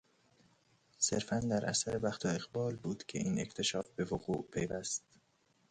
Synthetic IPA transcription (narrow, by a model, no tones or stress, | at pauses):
se̞ɾfænd̪æɾʔæ̰sæɾebæxt̪ʰoeɣbɒːlbuːd̪̥cʲʰe̞̰ʔiːne̞̰ct̪ʰe̞ʃɒːfbe̞voɣuːʔpʰejvæst̪